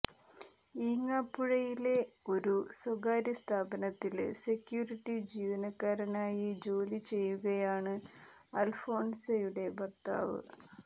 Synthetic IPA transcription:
iːŋːaːpːuɻɐjile̞ | o̞ɾuswɐɡaːɾɐst̪ʰaːbɐnɐt̪ːilse̞kjuːriʈːid͡ʑiːʋɐnɐkːaːɾɐnaːjid͡ʑo̞ːlit͡ɕe̞jːuɣɐjaːɳɨ | ɐlfo̞ːnsejuɽe̞bɐrt̪a̰ːʋɨ̰

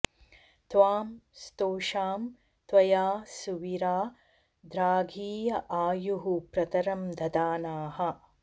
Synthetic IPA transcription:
t̪ʋaːmst̪oːʃaːm | t̪ʋɐjaːsuʋiɾaː | d̪ɾaːɡʱiːjɐʔaːjuɦupɾɐt̪ɐɾɐmd̪ʱɐd̪aːnaːɦɐ

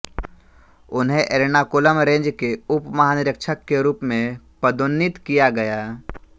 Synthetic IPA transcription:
ʊnɦẽʔeːɾnakʊləmɾẽːɲd͡ʒkeʊpmɐɦaːnɪɾəkʃəkːeɾuːpmẽpəd̪oːnːɪt̪kijaɡɐjaː

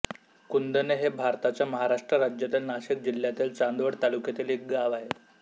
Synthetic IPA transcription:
kund̪əneɦebʱaɾt̪at͡ɕjaməɦaɾaʂʈɾəɾad͡ʑjat̪iːlnaɕik̚d͡ʑil̤jat̪iːlt͡sand̪ʋəɽt̪alukjat̪iːlik̚ɡaʋaɦe

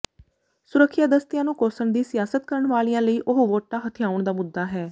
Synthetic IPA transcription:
sʊɾəkʰːjaːd̪əst̪ɪjãːnũːkosəɳd̪iːsɪjaːsət̪̚kəɾəɳʋaːlijãːləiːʔʊɦʋoːʈːãːɦət̪ʰɪjaːʊɳd̪aːmʊd̪ːaːɦɛː

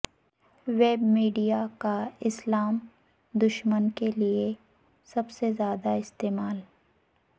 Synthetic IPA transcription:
ʋeːbmiːɖijakaɪslaːm | d̪ʊʃmənkelie | sɐbsezjaːd̪aɪst̪eːmaːl

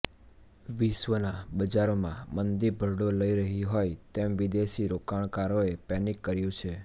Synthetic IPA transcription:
ʋiʃʋənabəd͡ʒaɾomãmənd̪iɾbʱəɾɽoləiɾəɦiɦojt̪emʋid̪eʃiɾokaɭ̃kaɾoepɛnikːəɾjũt͡ʃʰe

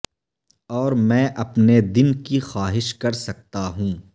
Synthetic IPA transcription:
ɔːɾmɛ̃ːʔɐpned̪ɪnkixaːɦɪʃkɐɾsɐk̚t̪aɦũː

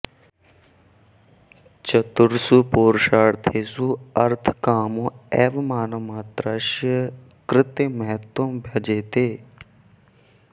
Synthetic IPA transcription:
t͡ʃɐt̪uɾsupoːɾʃaːɽt̪ʰeːsuɐɾt̪ʰkaːmũɛːʋmaːnomaːt̪ɾaʃjə | kɾɪt̪eːmɐɦɛt̪wombʱɐd͡ʒeːt̪eː

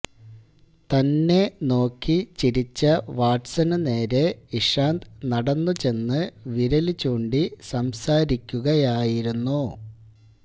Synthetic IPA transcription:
t̪ɐnːe̞no̞ːkːit͡ɕiɾit͡ɕːɐʋaːʈsɐnɨne̞ːɾe̞iʂaːnd̪nɐɽɐnːut͡ɕe̞nːɨʋiɾɐlit͡ɕːuːɳɖisɐmsaːɾikʲːuɣɐjaːjiɾunːu

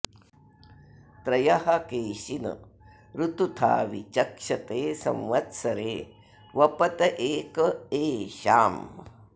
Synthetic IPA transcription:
t̪ɾɐjɐhɐkeːʃinɐ̰ | ɾut̪ut̪ʰa̰ːʋḭt͡ʃɐkʂɐt̪eːsɐ̰mʋɐt̪sɐɾeː | ʋɐpɐt̪ɐʔeːkɐeːʃa̰ːm

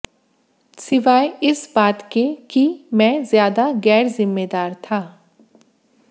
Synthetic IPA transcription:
sɪʋaːeɪsbaːt̪kekimɛ̃ːzjaːd̪aɣɛːɾzɪmːeːd̪aːɾt̪ʰaː

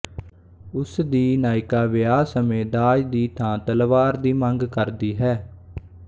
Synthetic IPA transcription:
ʊsd̪iːnaːɪkaːʋɪjaːsəmeːd̪aːd͡ʒd̪iːt̪ʰãːt̪əlʋaːɾd̪iːməŋɡkəɾd̪iːɦɛː

